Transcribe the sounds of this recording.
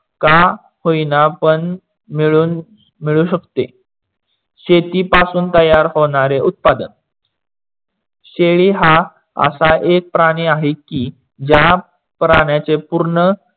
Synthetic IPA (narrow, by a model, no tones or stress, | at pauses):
ka | hoinapəɳ | miɭuːn | miɭuːɕəkt̪ḛ | ɕet̪iːpasuːnt̪əjaɾɦoɽ̃aɾeʔut̪̚pad̪ə̰n | ɕeɭiːɦa | ə̰saʔek̚pɾaɽ̃iːaɦekːiː | d͡ʑja | pɾaɽjat͡sepuɾɳə